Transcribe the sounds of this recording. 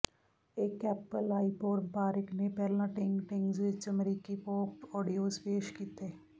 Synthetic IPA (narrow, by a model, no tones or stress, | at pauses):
eːkɛːpəlaːɪpoːɾnpaːɾɪknepɛːlãʈɪ̃ŋɡʈɪ̃ŋɡzʋɪt͡ʃəmɾiːkipɔːkʈɔːɖijoːzpeːʃkiːt̪e